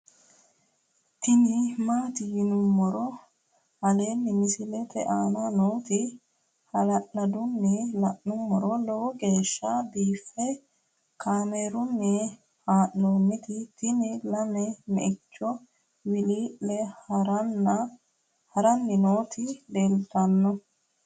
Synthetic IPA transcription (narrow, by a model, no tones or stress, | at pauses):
t̪ɪnɪmaːt̪ɪjɪnʊmːɔɾɔ | hɐle̞ːnːɪmɪsɪlɛt̪ɛ̰ʔaːnɐnoːt̪ɪ | hɐlɐʔnɐd̪ʊnːɛlɐʔːʊmːɔɾɔlɔwɔɡe̞ːʃːabiːfːɛ | kʰaːmeɾʊnːɛ | haːʔnoːnːɪt̪ɪt̪ɪnɪlɐnɛmɛ̰ʔɪt͡ʃːɔ | wɪliːʔɛɾɐn | hɐɾɐnːɪnoːt̪ɪleːlt̪ɐnːɔ